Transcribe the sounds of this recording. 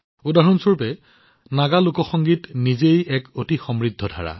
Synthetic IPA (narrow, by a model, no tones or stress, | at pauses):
udaɦɔnsuɹpɛ | naɡalukɔxɔŋɡitnizejɛkotixɔmɹidʱːɔdʱa̰ɹa̰